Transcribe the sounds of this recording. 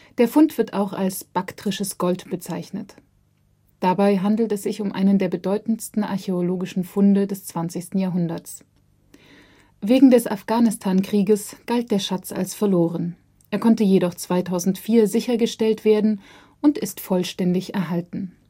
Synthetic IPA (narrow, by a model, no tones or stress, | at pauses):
d̥eːɐfʊntv̥ɪɐta̰ʊxa̰lsb̥aktʁ̥ɪʃəsɡ̥ɔltb̥ət͡saɪçnət | d̥abaɪɦandl̩tɛsz̥ɪçʊmʔa̰ɪnəndeːɐbədɔʏtn̩stn̩ʔa̰ɐçeoloːɡɪʃn̩fʊndədɛst͡sv̥ant͡sɪçstn̩jaːɐɦʊndɐt͡s | veːɡŋ̩dɛsa̰fɡ̥aːnɪstʰaːnkʁ̥iːɡəsɡ̥alt̚d̥eːɐʃat͡sa̰lsfɛɐloːʁ̞ən | ʔeːɐkʰɔntəjeɾɔχt͡sv̥aɪtʰaʊzn̩tfiːɐzɪçɐɡəʃtɛltv̥eːɐdn̩ | ʔʊntɪstfɔlʃtɛndɪçɛɐɦaltn̩